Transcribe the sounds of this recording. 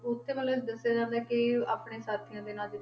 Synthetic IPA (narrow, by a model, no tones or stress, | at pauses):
ʊt̪ʰːeːʋəːlsd̪əsːaːd͡ʒãːnd̪aːkɪa̰ːpɽeːsaːt̪ʰijãːd̪eːnaːd͡ʒɪ